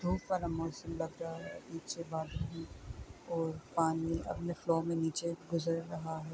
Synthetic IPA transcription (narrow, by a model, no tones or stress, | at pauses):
d̪ʱuːʈʋaːlamɔːsəmlɐɡɾaaɦɛniːt͡ʃebaːd̪eɦɛ̃ | ɔːɾpaːniɐ̰pneflɔːmẽniːt͡ʃeɡʊzəɾːɐɦaɦɛː